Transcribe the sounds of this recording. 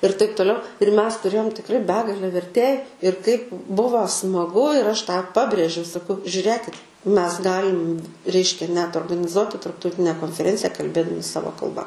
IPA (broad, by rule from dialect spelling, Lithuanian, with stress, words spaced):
ɪr tɐɪp toːˈlʲɛʊ ɪr ˈmʲɛs tʊˈrʲeːjoːm tʲɪkˈrɐɪ ˈbʲæːɡɐlʲɛ ʋʲɛrʲˈtʲeːj ɪr kɐɪp ˈbʊʋoː smɐˈɡʊ ɪr ˈɐʃ tɑː ˈpɑːbʲrʲeːʒʲɛʊ sɐˈkɐʊ ʒʲʊˈrʲeːkʲɪt ˈmʲɛs ˈɡɑːlʲɪm ˈrʲɛɪʃʲkʲɛ nʲɛt oːrɡɐnʲɪˈzuɔtʲɪ tɐrptɐʊˈtʲɪnʲɛ koːnʲfʲɛˈrʲɛnʲt͡sʲɪjɛ kɐlʲˈbʲeːdɐmʲɪ ˈsɑːʋoː kɐlˠˈbɐ